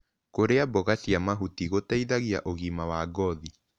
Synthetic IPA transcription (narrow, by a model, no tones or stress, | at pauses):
koɾeabɔɣasiamaɦutiɣotaiðaɣiaʔoɣimawaɡɔði